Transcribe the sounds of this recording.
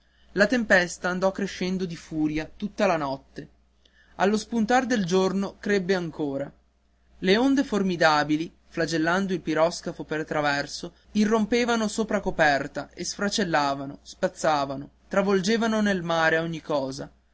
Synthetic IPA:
lat̪empɛst̪aːnd̪ɔkːɾeʃːɛnd̪od̪ifuːɾjat̪ut̪ːalanɔt̪ːe | alːospunt̪aɾd̪eld͡ʒornokɾebːeaŋkoːɾa | leond̪eformid̪aːbili | flad͡ʒelːand̪oilpiɾɔskafopert̪ɾavɛrso | irːompeːvanosoːpɾakopɛrt̪aʔesfɾat͡ʃelːaːvanospat̪sːaːvanot̪ɾavold͡ʒeːvanonelmaːɾeoɲːikɔːza̰

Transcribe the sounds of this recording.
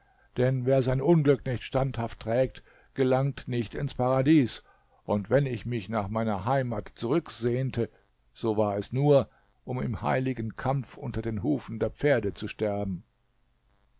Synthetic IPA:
d̥ɛnveːɐzaɪnʔʊnɡlʏknɪçtʃtanthaftːʁ̥ɛːk̚t | ɡ̥əlaŋtnɪçtɪnspʰaʁadiːs | ʔʊntv̥ɛnɪçmɪçnaːχmaɪnɐɦaɪmaːtt͡suʁ̞ʏkz̥eːntʰə | z̥oːvaːɐɛsnuːɐ | ʔʊmɪmha̰ɪlɪɡən̩kʰamfʔʊ̰ntɐdeːnɦuːfn̩deːɐp͡feːɐdət͡suʃtɛɐbm̩

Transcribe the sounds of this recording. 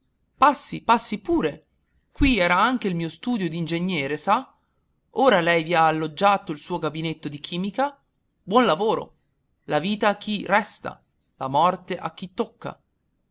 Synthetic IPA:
pasːipasːipuːɾe | kwiɛːɾaaŋk̟eilmiːost̪uːd̪jod̪ind͡ʒeɲːɛːɾesa | oːɾalɛjviaːlːod͡ʒːaːt̪oilsuːoɡabinet̪ːod̪ik̟ʰiːmika | bwɔnlavoːɾo̰ | laviːt̪aːkʰːirɛst̪a̰ | lamɔrt̪eʔa̰k̟ːit̪ːokːa̰

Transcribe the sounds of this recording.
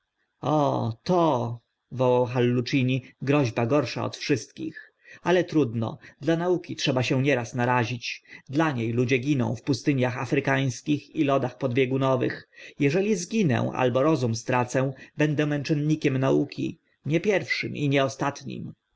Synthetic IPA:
ɔ̰t̪ɔ | vɔwawxalːut͡ʂiɲiɡɾɔʑbaɡɔɾʂa̰ɔ̰t̪fʂɘst̪̚kʲḭx | alɛt̪ɾud̪nɔ̰d̪lanaukʲitʂɛbaɕɛ̃ɲɛɾasnaɾaʑit͡ɕd̪laɲejlud͡ʑɛɡʲinɔ̰̃w̃fpust̪ɘɲjaxafɾɘkaj̃skʲixilɔd̪axpɔd̪bʲjɛɡunɔvɘ̰xjɛʐɛlʲizɡʲinɛ̰w̃ʔa̰lbɔɾɔzumst̪ɾat̪sɛw̃bɛnd̪ɛmɛnt͡ʂɛnɲikʲɛmnaukʲʰḭ | ɲɛpʲjɛɾfʂɘmḭɲɛɔst̪at̪ɲḭm

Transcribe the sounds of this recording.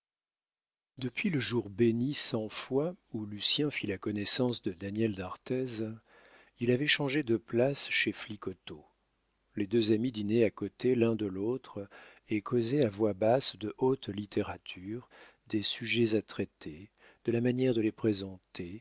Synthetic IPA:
d̪əpɥiləʒuʁbenisɑ̃fwaulysjɛ̃filakɔnɛsɑ̃sd̪əd̪anjɛld̪aʁt̪ɛz | ilavɛʃɑ̃ʒed̪əplasʃeflikɔt̪o | led̪øzamid̪ineakɔt̪elɛ̃d̪əlot̪χ | ekʰozɛavwabasd̪əʔot̪lit̪eʁat̪ʰyʁ | d̪esyʒɛzat̪χɛt̪ʰe | d̪̥əlamanjɛʁd̪əlepχezɑ̃t̪e

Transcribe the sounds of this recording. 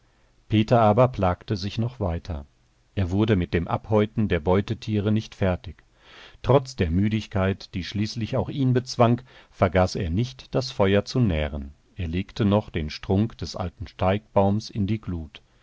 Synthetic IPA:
pʰeːtɐʔaːbɐpl̥aːktəzɪçnɔχv̥aɪtʰɐ | ʔeːɐvʊɐdəmɪt̚d̥eːmʔa̰phɔʏtn̩deːɐbɔʏtətʰiːʁənɪçtfɛɐtɪç | tʁ̥ɔt͡sd̥eːɐmyːɾɪçkʰaɪtd̥iːʃliːslɪçaʊxʔiːnbət͡sv̥aŋkfɛɐɡaːseːɐnɪçtd̥asfɔʏɐt͡sunɛːʁən | ʔeːɐleːktʰənɔχd̥eːnʃtʁ̥ʊŋkd̥ɛsʔa̰ltn̩ʃtaɪk̚b̥aʊmsɪndiːɡluːt

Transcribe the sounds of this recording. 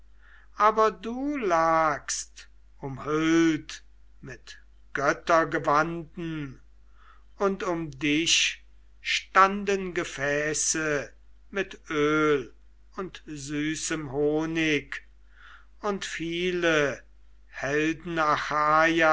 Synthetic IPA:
ʔaːbɐduːlaːkst | ʊmhʏlt | mɪt | ɡ̥œtɐɡəvandn̩ | ʊntʊmdɪʃ | ʃtandənɡəfɛːsə | mɪtʔøːl | ʊntzyːsəmɦoːnɪk | ʊntfiːlə | hɛldn̩axaːja

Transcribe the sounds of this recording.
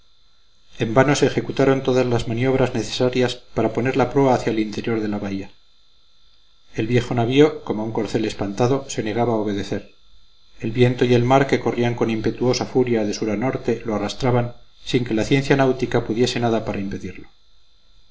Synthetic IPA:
e̞mbano̞se̞ːxe̞kut̪aɾo̞nt̪o̞ðazlazmanio̞β̞ɾazneθe̥saɾjaspaɾapo̞ne̞ɾlapɾo̞aːθjaelint̪e̞ɾjo̞ɾðe̞laβaia | e̞lβje̞xo̞naβio̞ko̞mouŋko̞ɾθe̞le̞spant̪aðo̞se̞ne̞ɣ̞aβaːo̞β̞e̞ð̞e̞θe̞ɾ | e̞lβje̞nt̪o̞ie̞lmaɾke̞ko̞riaŋko̞nimpe̞t̪uo̞safuɾjaðe̞suɾano̞ɾt̪e̞lo̞arast̪ɾaβansiŋke̞laθje̞nθjanawt̪ikapuðje̞se̞naðapaɾaimpe̞ðiɾlo̞

